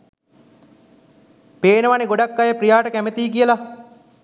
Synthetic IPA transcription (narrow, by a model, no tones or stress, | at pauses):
peːnəʋaneɡoɖakːajepɾijaːʈəkæmet̪iːk̬ijəla